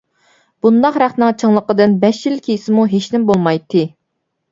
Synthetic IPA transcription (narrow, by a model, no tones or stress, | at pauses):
b̥und̪ɑqɾæχnɨŋt͡ʃʰɨŋlˠəqəd̪ɨnbɛʃjilkʲʰejisɪmuɦeʃnɪmbolˠmɑjt̪ʰːɨ